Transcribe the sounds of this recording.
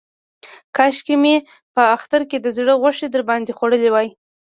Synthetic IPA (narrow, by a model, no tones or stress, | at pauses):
kɑʃkime | pəaxt̪aɾked̪əzɽəɣəʂed̪əɾbɑnd̪exoɽəlewɑj